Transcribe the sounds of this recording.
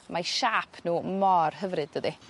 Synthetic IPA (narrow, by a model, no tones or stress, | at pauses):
maʃaːpʰnuːmɔrɦəvrɨdəði